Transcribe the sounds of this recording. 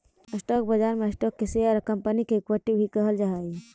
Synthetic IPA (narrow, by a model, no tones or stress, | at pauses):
əsʈɔk̚bəd͡ʒaɾmeəsʈɔkːeseəɾkəmpənikeekwəʈibʱikəɦəld͡ʒaɦɛj